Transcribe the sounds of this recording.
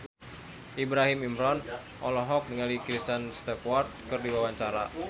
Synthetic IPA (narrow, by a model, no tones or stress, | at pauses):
ʔibɾaɦimimɾɔn | ʔɔlɔɦɔk̚niŋalikɾist̪ɛnst̪ɛkwɔrt̪̚kɨrdiwawaɲt͡ʃaɾa